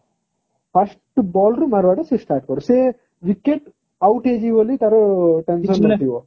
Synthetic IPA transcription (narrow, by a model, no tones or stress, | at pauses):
pʰɐsʈbɔːlɾumɐɾʋaːʈɐsisʈaːɾʈ̚koɾuseː | ʋikːeʈ | ɐwʈeːd͡ʒiʋɐlːit̪ɐɾoʈɐmsoɐʈ̪iʋo